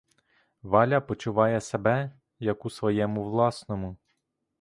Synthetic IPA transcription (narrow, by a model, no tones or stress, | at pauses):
ʋɑlʲɐpɔt͡ʃʊʋɑjɛsebɛ | jɐkusʋɔjɛmʊʋlˠɑsnɔmʊ